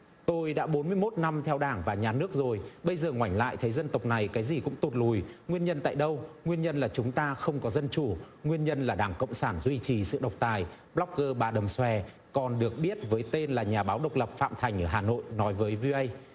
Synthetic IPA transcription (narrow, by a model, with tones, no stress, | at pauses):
t̪o˧jɗa̰ː˧˥ɓo˨˦nmɨ˧əjmo˦˥t̚na˧mt̪ʰɛ˧wɗaː˧˩ŋvaː˨˩ɲaː˨˩nɨ˦˥ək̚zo˨˩jɓə˧jzəː˨˩ŋwa˧˩jŋ̟la̰ː˧˨jt̪ʰə˨˦jzə˧nt̪ə˨˩wk͡p̚na˨˩jkaː˨˦jzi˨˩kʊ̰˧˥ŋ͡mt̪o˨˩t̚lu˨˩jŋwi˧ənɲə˧nt̪a̰ː˧˨jɗə˧wŋwi˧ənɲə˧nlaː˨˩t͡ɕʊ˨˦ŋ͡mt̪aː˧xə˧wŋ͡mkɔ˨˦zə˧nt͡ɕu˧˩ | ŋwi˧ənɲə˧nlaː˨˩ɗaː˧˩ŋkə̰˧˨wŋ͡msaː˧˩nzwi˧t͡ɕi˨˩sɨ̰˧˨ɗə˨˩wk͡p̚t̪aː˨˩j | ɓlɔ˦˥k̚ɣəː˧ɓaː˨˧˩ɗə˨˩mswɛ˧˩ | kɔ˨˩nɗɨ˨˩ək̚ɓi˦˥ət̚vəː˨˦jt̪e˧nlaː˨˩ɲaː˨˩ɓaː˨˦wɗə˨˩wk͡p̚lə˨˩p̚fa̰ː˧˨mt̪ʰa˨˩ŋ̟ʔəː˧˩ɦaː˨˩no̰˧˨jnɔ˨˦jvəː˨˦jvi˧ʔə˧j